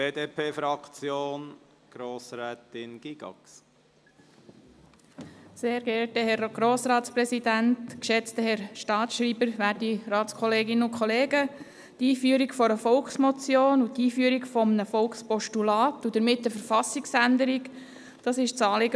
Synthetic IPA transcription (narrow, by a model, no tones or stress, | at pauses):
b̥eːdeːpʰeːfɾɑkt͡sjoːn | ɡ̥ɾoːsɾɛːtɪnɡ̥iɡ̥ɑ̰ks | seːɾɡɛɾtəhɛɾɡ̥ɾoːsɾɑːtspɾɛsidæntkʃɛt͡st̪əɦɛɾʃtɑːtʃɾiːbəɾʋæːɾdiɾɑːtskʰɔleːɡɪnəʊkʰχɔleːɡə | tiːfyəɾikfɔɾəfɔlksmɔt͡sjoːnut̪iːfyəɾikfɔmnəfɔlkspɔʃtulɑːtud̥əɾmɪtːəfəɾfɑsɪksændəɾik | d̥ɑsɪʃt͡sɑːlɪɡə